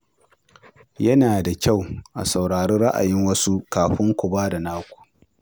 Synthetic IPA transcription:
jɐ˦naː˨da˨kʲa˦˨wʔa̰˨sa˨wɽaː˨ɽe˦ɽɐ˦ʔa̰˨jɪ˦ŋwɐ˦su˦kaː˨ɸɪ˦ŋkʷʊ˨baː˦da˨naː˦kʷu̥˨ʔ

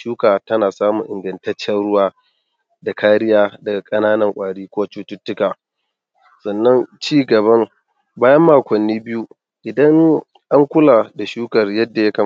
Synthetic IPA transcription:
ʃuː˦kaː˨tɐ˦naː˨saː˦mu˨ŋʔɪ˨ŋɡɐ˨ntɐ˦t͡ʃːɛ˦nɽʊ˦waː˦ | da˨kʰaː˦ɽɪ˦jaː˦da˨kʼɐ˦naː˦nɐ˨ŋkʷʼaː˨ɽiː˦kʷʊː˦t͡ʃuː˦tʊ˦tːʊ˦kaː˨ | sɐ˨nːɐ˦nt͡ʃiː˦ɡɐ˨bɐ˦ŋ | baː˦jɐ˦mːaː˨kʷɐ˨nːiː˦bɪ˦ju˦ | ʔɪ˨dɐ˦ŋ | ʔa˦ŋkʷʊ˦laː˨da˨ʃuː˦kɐ˨rjɐ˦dːa˨jɐ˦kɐ˨

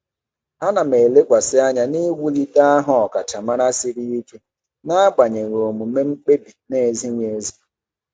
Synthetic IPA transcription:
a˦na˨me˨le˦kʷa˨sɪ˦a˦ɲa˨ni˦ɡu˦li˦ta˦a˦ɦɔ˨ɔ˨ka˨t͡ʃa˨ma˦ɾa˦sɪ˦ɾi˦i˦ke˦ | na˦a˦k͡pa˨ɲe˨ŋ˨o˨mu˨me˦ŋ͡m̩˦k͡pe˦bi˨ne˦e˨zi˦ŋʷe˨˦zi˦

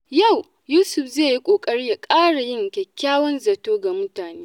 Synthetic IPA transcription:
ja˦˨w | juː˦sʊ˨ɸzeː˦˨ji˦kʷʼoː˨kʼɐ˦ɽiː˦ja˨kʼaː˦ɽa˨jɪ˦˨ŋkʲɛ˨kʲːaː˦wɔ˦nzɐ˨toː˦ɡa˨mʊ˦taː˨neː˦

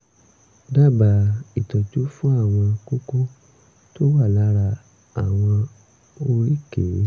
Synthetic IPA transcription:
da˦˨ba˧˨i˨tɔ˨d͡ʒu˨˦fũ˦a˦˨w̃ɔ̃˧ko˦ko˦ | to˦wa˦˨la˨˦ɾa˧ | a˨w̃ɔ̃˧ | o˧ɾi˦˨ke˨˦

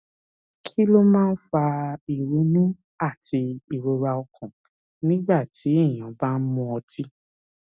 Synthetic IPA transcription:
kʰi˦lo˦mãː˦˧n̩˦fa˧i˨ɾu˨˧˦nũ˦ | a˦˨tʰi˧i˨ɾo˧ɾa˧ɔ˧kʰɔ̃˨ | nĩ˦ɡ͡ba˦˨ti˨˦i˦˨j̃ã˨˦ba˦˧n̩˦mũ˧˦ɔ˧ti˦

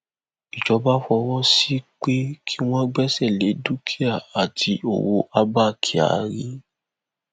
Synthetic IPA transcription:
i˨d͡ʒɔ˧˦ba˦fɔ˧wɔ˦si˦k͡pe˦kʰi˦w̃ɔ̃˦ɡ͡bɛ˦sɛ˦˨le˨˦du˦kʰi˦a˦˨a˨tʰi˧o̰˨wo˧ʔa˦ba˦˨kʰi˨a̰˨ɾi˦

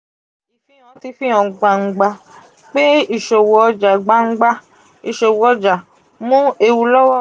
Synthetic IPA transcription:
i˨fĩ˦ã˨˧ti˧fĩ˦ã˨˧ɡ͡ba˧ŋ͡m̩˨˦ɡ͡ba˧ | k͡pe˦i˦˨ʃo˨wɔ˨˧d͡ʒa˨ɡ͡ba˧˦ŋ̩˦ɡ͡ba˧ | i˨ʃo˨wɔ˨ɔ˧d͡ʒa˨ | mũ˦e˧wu˧lɔ˦wɔ˦˨

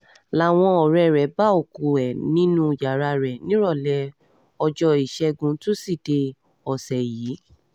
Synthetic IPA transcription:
la˨˦˨w̃ɔ̃˧ɔ˨ɾɛ˧˨ɾɛ˨˦ba˦o˨ku˨ɛ˨nĩ˨˦nũ˦˨ja˨ɾa˧ɾɛ˨nĩ˦ɾɔ˦˨lɛ˧˦ | ɔ˧d͡ʒɔ˧i˨ʃɛ˧˦ɡũ˧to˦si˦˨de˧ | ɔ˨sɛ˨jiː˨˦

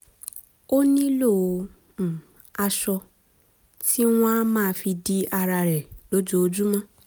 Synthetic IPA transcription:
o˦nĩ˦lo˦˨ | a˧ʃɔ˧ | ti˦w̃ã˦mãː˦˨˧fi˧di˧a˧ɾa˧ɾɛ˨lo˨˦d͡ʒo˧d͡ʒu˦mã˦

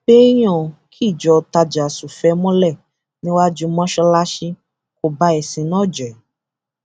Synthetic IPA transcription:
be˦j̃ɔ̃˦˨kʰi˦˨d͡ʒɔ˨˧ta˧d͡ʒa˨su˨fɛ˨˦mɔ̃˦lɛ˦˨ | nĩ˦wa˦d͡ʒu˦mɔ̃˦ʃɔ˧la˦ʃi˧ | ko˨ba˧˦ɛ˨sĩ˨˧nɔ̃˦˨d͡ʒɛ˨

